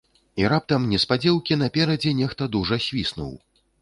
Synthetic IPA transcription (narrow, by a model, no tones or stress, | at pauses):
iɾap̚t̪ɐmnʲɛspad͡zʲɛwkʲinɐpʲɛɾɐd͡zʲɛnʲɛxt̪ɐd̪uʐɐsʲvʲisnṵw